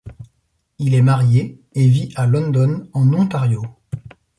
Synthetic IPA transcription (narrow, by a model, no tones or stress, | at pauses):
ilɛmaʁjeeviʔalɔ̃nd̪ɔnɑ̃nɔ̃t̪aʁjo